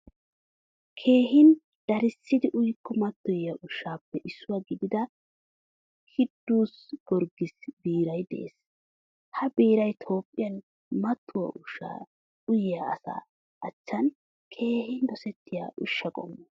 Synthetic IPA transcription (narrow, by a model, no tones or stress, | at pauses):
kʰe̞ːɦɪn | d̪̥ɐɾɪsːɪd̪ɪʔʊjkʰːɔmɐt̪ːɔjɐʔʊʃːaːpːɛʔɪsːʊwaːɡɪd̪ɪd̪ɐ | kʰɪd̪ːuːsɡ̥ɔɾɡɪsbiːɾɐjd̪ḛːs | hɐbiːɾɐjt̪ʰo̞ːpʼːɪjɐn | mɐt̪ʰːʊwɐ̰ʔʊʃa̰ | ʊjɪjaɐsa̰ː | ɐt͡ʃːɐn | kʰe̞ːhɪnd̪ɔsɛt̪ʰːɪja̰ːʔʊ̰ʃːɐkʼɔ̰mːɐ